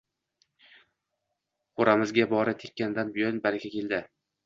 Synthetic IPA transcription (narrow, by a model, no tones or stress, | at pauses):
qoɾamɪzɡʲabɒɾɪt̪ʰekʲːand̪anbɪjɒnbaɾakʲʰakʲe̞lˠd̪ɪ